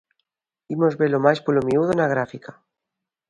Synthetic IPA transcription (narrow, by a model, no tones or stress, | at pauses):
imozβelomajspolomiuðonaɣ̞ɾafikḁ